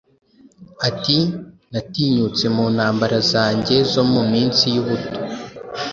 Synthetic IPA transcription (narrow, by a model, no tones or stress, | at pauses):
atinatiːɲut͡se̞muːnhaːmbaɾazaːɲɟe̞zo̞mumiːnsijuβuto̥